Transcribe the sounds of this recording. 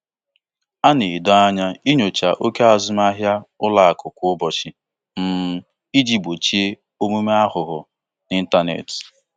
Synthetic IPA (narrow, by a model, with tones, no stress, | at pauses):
a˦ne˨dɔ˦a˦ɲa˦i˦ɲo˨t͡ʃa̰˨ʔo˦ke˦a˨zʊ˦m˦a˦ɦja˦ʊ˦la˦a˨kʊ˨kʷʊ˦ʊ˦bɔ˨t͡ʃɪ˨ | m̩˦ | i˦d͡ʒi˦bo˨t͡ʃi˦e˦ | o˦mu˦me˦a˦ɦʊ˨ɦʊ˨ | ni˦n̩˦ta˦nḛ˨tɪ̥˨